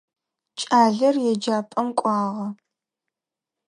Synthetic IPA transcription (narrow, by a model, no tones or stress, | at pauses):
t͡ʃʼaːɮɐrjɛd͡ʒaːpʼɐmkʷʼɑːʁɐ